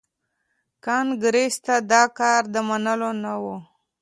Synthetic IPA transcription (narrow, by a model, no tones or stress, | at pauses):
kɑnɡɾest̪ad̪ɑkɑɾd̪əmanəlonawu